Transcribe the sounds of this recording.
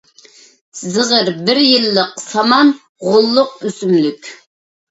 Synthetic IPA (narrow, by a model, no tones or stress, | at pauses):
zɨʁəɾbɪɾjilːəqsɑmɑn | ʁʊlˠːʊq̚ysymlykʲ